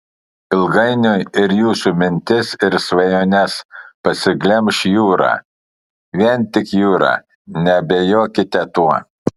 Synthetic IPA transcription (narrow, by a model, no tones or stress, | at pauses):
ɪlˠɡɐɪnʲʊɪɾjuːsumʲɪnʲt̪ʲɪsɪɾsʋɐjoːnʲɛspɐsʲɪɡlʲɛmʃjuːɾɑ̰ː | ʋʲiɛnt̪ʲɪkjuːɾɑ̰ː | nʲɛbʲɛjoːkʲɪt̪ʲɛt̪uɔ